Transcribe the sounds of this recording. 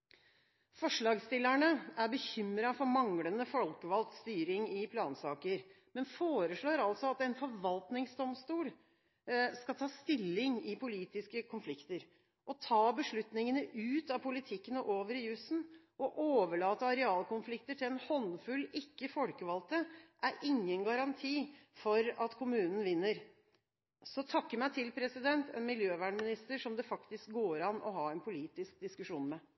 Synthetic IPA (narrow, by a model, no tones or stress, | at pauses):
fɔʂɭɑːɡst̪ɪlːæɳəæɾbəçʏmɾɑfɔɾmɑŋɽənəfɔlkəʋɑlt̪st̪yːɾɪŋɪpʰlɑːnsɑːkəɾ | mɛnfoːɾəʂɭoːɾɑlsɔɑt̪ɛnfɔɾʋɑlt̪nɪŋsd̪ɔmst̪uːl | skɑt̪ʰɑːst̪ɪlːɪŋɪpʰʊliːt̪ɪskəkʰʊnflɪkt̪əɾ | ʔɔt̪ʰɑːbəʂɭʉt̪nɪŋənəʔʉːt̪ɑpʰʊlɪt̪ʰɪkːənəʔoːʋəɾɪjʉsn̩ | ʔɔʔoːʋəɭɑːt̪əɑɾɛɑːlkʰʊnflɪkt̪əʈʰɪlɛnhɔnfʉlːɪkːəfɔlkəʋɑlt̪əʔæɾɪŋːənɡɑɾɑnt̪ʰiːfɔɾɑt̪kʰʊmʉːnən̩ʋɪnːəɾ | sɔt̪ʰɑkːəmæɪt̪ʰɪlpʰɾɛsɪd̪ɛnt̪ʰɛ̰ːnmɪljøːʋæːɳmɪnɪst̪əʂɔmd̪ɛfɑkt̪ɪsk̚ɡoːɾɑnːɔ̰ɦɑːɛnpʰʊliːt̪ɪsk̚d̪ɪskʉʂuːnmɛ